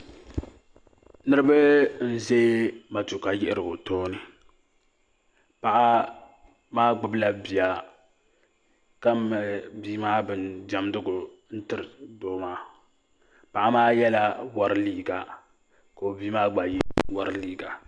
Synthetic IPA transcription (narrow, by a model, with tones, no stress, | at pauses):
nɨ˦ɾɨ˦ba˦n̩˦ze˦ma˨tu˨ka˨jɪ˦ʔɪ˦ɾɨ˨o˨toː˦nɨ˨ | pa˨ʔa˦ | maː˦ɡ͡bʊ˨bla˦bi˨a˨ | ka˦˨biː˦maː˦bɨ˨nda˨mdʊ˦ɡʊ˨ | n̩˦tɨ˨ɾɨ˨doː˦maː˦ | pa˨ʔa˦maː˦jɛ˦la˦wa˦ɾliː˦ɡa˨ | ka˨o˨biː˦maː˦ɡ͡ba˨ji˦wa˦ɾliː˦ɡa˨